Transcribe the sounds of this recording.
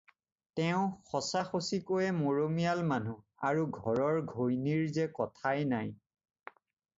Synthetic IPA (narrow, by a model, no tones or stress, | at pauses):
tɛʊ̃xɔsaxosikojɛmoɹomijalmanu | aɹuɡʱɔɹɔɹɡʱojniɹzɛkɔtʰajnaj